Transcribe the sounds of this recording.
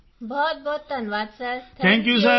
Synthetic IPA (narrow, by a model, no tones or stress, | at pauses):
bɔːt̪̚bɔːt̪ːɐnʋaːd̪səɾt̪ʰɛ̃ːŋkjusɐ